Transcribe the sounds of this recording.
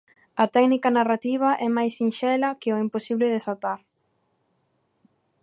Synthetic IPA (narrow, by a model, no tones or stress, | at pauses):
ɐt̪ɛknikɐnarat̪iβ̞ɐʔɛmajsinʃɛlɐkɪoimposiβlɪðesat̪aɾ